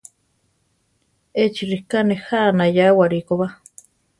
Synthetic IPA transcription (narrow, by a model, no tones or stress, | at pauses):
et͡ʃiɾihkanehanajawaɾikoβa